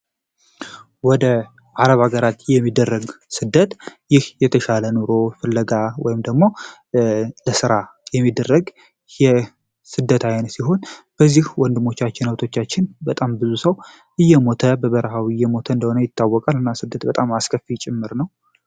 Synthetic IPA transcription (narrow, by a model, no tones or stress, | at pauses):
wɔd̪ə | ʔaɾəβhaɡəɾat̪jɛmːid̪ːərːəɡsɨd̪ːət̪jɪhjɛt̪ʰəʃalənoɾo̞fɨlːəɡawɔjɪmd̪əɡmo̞ | ləsɨɾajɛmːid̪ːərːəɡ | jɛ | sɨd̪ːət̪ʰajnəsiɦo̞nb̥əzːihwɔnd̪ɨmo̞t͡ʃːat͡ʃːɪnhəwt̪ʰo̞t͡ʃːat͡ʃːɪnbət̪ʼambɨzusəw | ʔɨjːɛmo̞t̪ʰəbəβəɾəɦawijɛmo̞t̪ʰəɨnd̪əho̞nəjɪt̪ːawːɔkʼalɨnːasɨd̪ːət̪bət̪ʼamaskʰəfit͡ʃʼɪmːɨɾnəw